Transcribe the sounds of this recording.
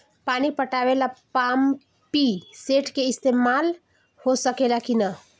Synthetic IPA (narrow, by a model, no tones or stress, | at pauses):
paːnipɐʈaːʋelapaːm | piseːʈʰkeɪst̪eːmaːl | hosəkelakina